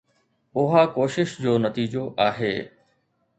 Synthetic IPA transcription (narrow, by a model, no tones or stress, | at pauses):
ʊɦakoːʃɪʃd͡ʑoːnɐt̪iːd͡ʑoʔaːɦḛː